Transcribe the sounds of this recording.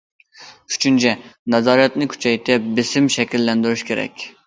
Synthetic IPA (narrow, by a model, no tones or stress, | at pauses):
y̥t͡ʃʰynt͡ʃʰɛnɛzɑːɾɛt̪nɪkʲʰy̥t͡ʃʰɛjt̪ʰɛp̚bɪsɪmʃɛkʲilːɛnd̪yɾyʃkʲʰeɾɛ̰kʲ